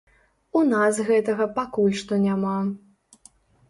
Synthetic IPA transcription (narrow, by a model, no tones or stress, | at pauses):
unasɣɛt̪ɐɣɐpakulʲʂt̪ɔnʲama